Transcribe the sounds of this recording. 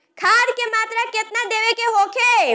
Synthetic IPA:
kʰaːd̪kemaːt̪ɾaket̪nad̪eːʋekeɦoːkʰe

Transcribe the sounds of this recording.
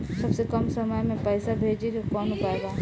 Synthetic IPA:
sɐbsekɐmsɐməjmẽpɛːsabʱeːd͡ʒekokɔːnʊpaeɡaː

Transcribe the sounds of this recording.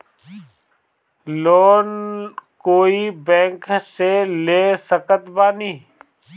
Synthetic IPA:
loːnkoːiːbɛ̃ːŋkseːleːsəkət̪baːniː

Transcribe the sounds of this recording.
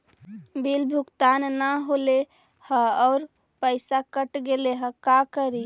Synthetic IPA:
bilbʱukt̪annaɦole | həɔːɾ | pəɪsakəʈɡeleɦə̃kakəɾi

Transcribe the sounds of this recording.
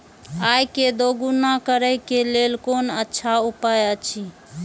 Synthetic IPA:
ajked̪oɡunakəɾəjkelelkonətːʃʰaupajət͡ʃʰi

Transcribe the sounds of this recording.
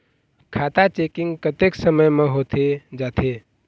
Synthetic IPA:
kʰat̪at͡ʃekiŋɡkət̪eksəməjmeɦot̪ʰed͡ʒat̪ʰe

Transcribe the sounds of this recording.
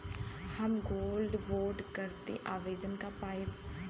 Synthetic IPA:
həmɡoːlɖboːɾɖkəɾt̪ḛʔaːʋeːd̪ənkapaːi

